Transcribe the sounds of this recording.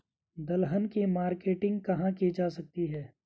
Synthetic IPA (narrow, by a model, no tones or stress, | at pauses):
d̪ɐlɦənkimaːɾkeːʈɪ̃ŋɡ̚kɐɦãkid͡ʒaːsɐk̚t̪iɦɛː